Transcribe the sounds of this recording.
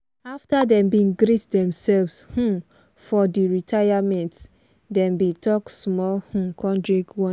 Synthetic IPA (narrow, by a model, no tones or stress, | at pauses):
aftadɛ̃mbiŋɡɾitdɛ̃msɛlvshũ | fɔdiɹitʰajamɛ̃nt | dɛ̃mbitɔksmɔlhũkʰɔ̃ndɹikwɔ̃